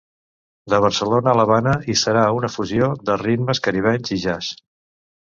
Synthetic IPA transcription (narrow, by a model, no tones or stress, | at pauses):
d̪əβ̞əɾsəlonəːləβanəisəɾaunəfuzioðərid̪məskəɾiβ̞ɛnziʒas